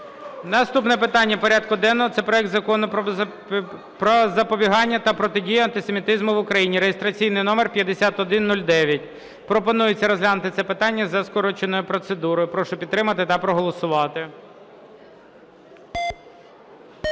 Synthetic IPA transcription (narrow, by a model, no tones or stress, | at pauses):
nɐst̪upnɛpɪt̪ɑnʲːɐpɔɾʲad̪kʊd̪ɛnːɔɦɔt̪sɛpɾɔjɛk̚t̪zɐkɔnɔ | pɾɔzɐpɔbʲiɦɑnʲːɐt̪ɐpɾɔt̪ɪdʲijʊɐnt̪ɪsemʲit̪ɪzmʊʋʊkɾɐjinʲiɾejest̪ɾɐt͡sʲijnɪjnɔmerpʲjɐd̪esʲat̪ɔd̪ɪnːulʲd̪ɛʋʲjɐt̚ʲ | pɾɔpɔnujɪt͡sʲːɐɾɔzɦlʲanʊt̪ɪt̪sɛpɪt̪ɑnʲːɐzɐskɔɾɔt͡ʃenɔjʊpɾɔt̪sed̪uɾɔjʊpɾɔʃʊpʲid̪ɾɪmɐt̪ɪt̪ɐpɾɔɦɔlˠɔsʊʋɑt̪ɪ